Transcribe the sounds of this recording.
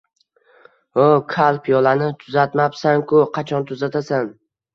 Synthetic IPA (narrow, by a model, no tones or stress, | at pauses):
okʰalˠpʰijɒlˠanɪt̪ʰʊzat̪mapsaŋkʰʊqʰɑt͡ʃʰɒnt̪ʰʊzat̪ʰasan